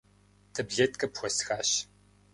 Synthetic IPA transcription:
tʰɐbɮetkʰʼɐpxʷɔsxaːɕ

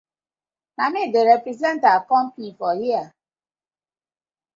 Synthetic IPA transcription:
namideɾepɾizɛntakɔmpifɔjia

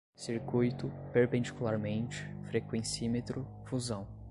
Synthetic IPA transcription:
siɾkujt̪ʊpeɾpẽnd͡ʒikulaɾmẽnt͡ʃɪ̥fɾekwẽsimet̪ɾʊ | fuzɐ̃w̃

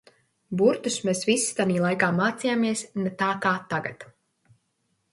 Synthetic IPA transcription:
buɾt̪usmeːsvisːi̥t̪aniːlˠajkaːmaːt̪sijaːmiɛsnet̪aːkaːt̪aɡa̰t̪

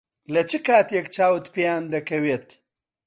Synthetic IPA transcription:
lɐt͡ʃikaːt̪jekt͡ʃaːwt̪pijaːnd̪ɐkɐwet̪

